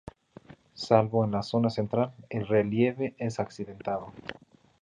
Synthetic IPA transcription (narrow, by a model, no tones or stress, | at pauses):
salβo̞enlaso̞nase̞nt̪ɾalelrelje̞βe̞ʔesaksiðe̞nt̪aðo̞